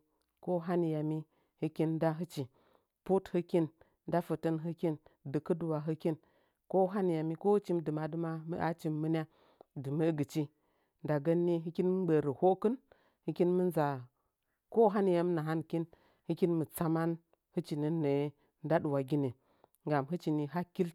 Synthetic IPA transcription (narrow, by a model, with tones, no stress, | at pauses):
ko˦ɦa˦ni˨ja˨mi˦ | hɨ˦ki˦nda˦ɦɨ˦t͡ʃi˨ | pu˦thɨ˦ki˦n | da˦fə˨tə˦nɦɨ˦ki˦ndɨ˨kɨ˦du˨wa˨ɦɨ˦ki˦n | ko˦ɦa˦ni˨ja˨mi˦ko˦hɨ˦t͡ʃi˦m˦dɨ˨ma˨dɨ˦ma˦mə̰˦ʔa˦t͡ʃi˨˦mmə˦n˦a˦ | dɨ˨mə˦ɡɨ˨t͡ʃi˦ | nda˨ɡə˦nːi˦ɦɨ˦ki˦nmɨ˦ɡ͡be˨ɾə˨ho˦kɨ˦n | hɨ˦ki˦nmɨ˦nza˨ | ko˦ɦa˦n˨ja˦m˦na˨ɦa˦nki˦n | hɨ˦ki˦nmə˨t͡sa˦ma˦n | hɨ˦t͡ʃi˨ni˨ne˨˦ | n˦da˦ɗu˨wa˨ɡʲi˦ne˨ | ŋɡa˨mɦɨ˦t͡ʃi˨ni˨ɦa˦ki˦l